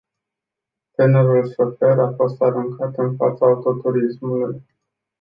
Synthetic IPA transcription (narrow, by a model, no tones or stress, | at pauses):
t̪ene̞ɾulsofe̞ɾafo̞st̪aɾuŋkʰat̪ɨnfa̰t̪saut̪o̞t̪uɾismuluj